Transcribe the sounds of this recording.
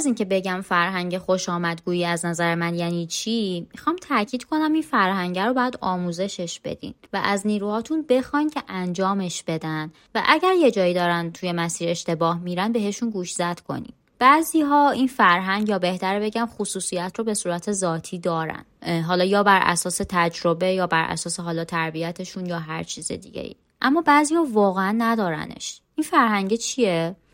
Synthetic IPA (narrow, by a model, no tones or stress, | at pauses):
ziːncʰe̞be̞ɟæmfæɾɦæŋɟexo̞ʃɒːmæd̪ɡuːjiːæznæzæɾemænjæːniːt͡ʃʰimixɒːmt̪ʰæcʰiːd̪̥kʰo̞næminfæɾɦæŋɟæɾobɒjæd̪ɒːmuːze̞ʃe̞ʃb̥e̞̰d̪ḭːnvæʔæzniːɾuːhɒːt̪ʰunbe̞xɒncʲʰeʔænd͡ʒɒːme̞ʃb̥e̞d̪ænd̪ | væʔæɟæɾje̞d͡ʒɒːjid̪ɒːɾænt̪ʰujemæsiːɾe̞ʃt̪e̞bɒːhmiːɾænbe̞ɦe̞ʃunɡuːʃz̥æd̪̥kʰo̞̰nḭ | b̥æːziːɦɒːinfæɾɦæŋɟjɒːbe̞ht̪ʰæɾbe̞ɟæmxosuːsijæt̪ʰroːbe̞suːɾæt̪ʰe̞zɒːt̪ʰiːd̪ɒːɾæ̰nɦɒːlɒːjɒːbæɾʔæ̰sɒːse̞t̪ʰæd͡ʒɾobe̞jɒːbæɾʔæ̰sɒːseɦɒːlɒːt̪ʰæɾbiæt̪ʰeʃunjɒːɦæɾt͡ʃʰiːzḛd̪ḭɟḛjḭ | ʔæmːɒːbæːziːhɒːvɒːɣeænːæd̪ɒːɾæ̰ne̞̰ʃʔinfæɾɦæŋɟet͡ʃʰie